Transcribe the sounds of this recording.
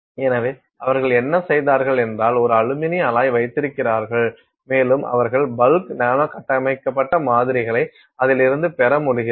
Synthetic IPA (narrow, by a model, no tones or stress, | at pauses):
ɛnɐʋeː | ɐʋɐɾɣɐɭɛnːɐsɛjðaːɾɣɐɭɛndraːlɔɾɯɐɻɯmɪnɪɐlaːjʋɐɪt̪ːɪɾɯkːɪraːɾɣɐɭ | meːlɯmʔɐ̰ʋɐɾɣɐɭbɐlknaːmɐkɐʈːɐmɐɪkːɐpːɐʈːɐmaːðɪɾɪɣɐɭɐɪ | ɐðɪlɪɾɯnd̪ɯpɛɾɐmʊɽɪɣɪ